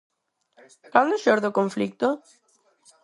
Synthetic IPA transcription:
kand̪oʃoɾðokoɱflik̚t̪o

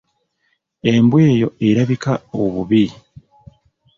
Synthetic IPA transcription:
e̞mbweːjo̞e̞ɾaβikaoβuβi

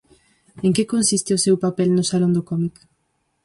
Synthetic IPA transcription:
eŋkekõnsist̪eosewpapɛlnʊsalõnd̪ʊkɔmik

